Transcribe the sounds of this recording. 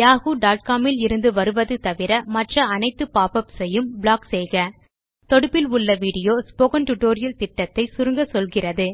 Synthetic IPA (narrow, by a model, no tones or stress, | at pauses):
jaːɣuɖaːʈ̚kaːmɪlɪɾɯnd̪ɯʋɐɾɯʋɐðɯt̪ɐʋɪɾɐmɐʈrɐɐnɐɪt̪ːɯpaːpɐpsɛjɯmbɭaːksɛjɣɐ | t̪ɔɽɯpːɪlʊɭːɐʋiːɽɪjoːspoːɣɐnʈʊʈːoːɾɪjɐlt̪ɪʈːɐt̪ːɐɪsʊɾɯŋɡɐsɔlɣɪrɐðɯ